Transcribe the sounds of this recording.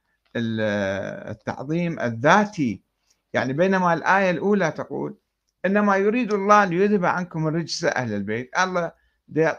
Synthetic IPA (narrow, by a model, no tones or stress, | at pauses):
ʔɪl̰ | t̪ːɑ̰ʕðˤiːmʔɪ̰ðːaːt̪i | jaʕnibeːnamalʔaːjalʔuːlat̪aqṵːl | ʔɪnːamajʊɾiːd̪lˤːɑːlɪjɪðhabʕankʊmɾˤɪd͡ʒsa̰ʔa̰hlɪlbeːt̪ʔɑlˤːɑː | d̪eː